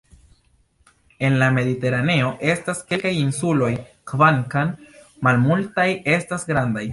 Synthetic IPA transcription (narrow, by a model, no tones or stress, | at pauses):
e̞nlame̞dite̞ɾane̞o̞ʔe̞staske̞lkajinsulo̞jkvaŋkan | malmultaje̞stasɡɾandaj